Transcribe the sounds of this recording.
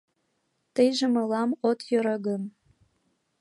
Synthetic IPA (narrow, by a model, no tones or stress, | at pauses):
t̪əjʒĕmɤ̆lɑmot̪jø̆ɾə̆ɣə̆m